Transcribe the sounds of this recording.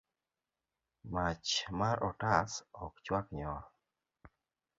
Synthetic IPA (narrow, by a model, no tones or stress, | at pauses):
mat͡ʃmaɾɔtasɔkt͡ʃwakɲɔ